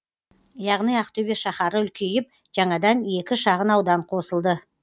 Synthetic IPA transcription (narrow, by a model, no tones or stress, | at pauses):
jɑʁnijɑqt̪obeʃɑχɑɾəʏlkʲʰejɪp̚ | ʒ̥ɑɴɑd̪ɑne̞kʲɪʃɑʁənɑwd̪ɑɴqʰo̞səlˠd̪ə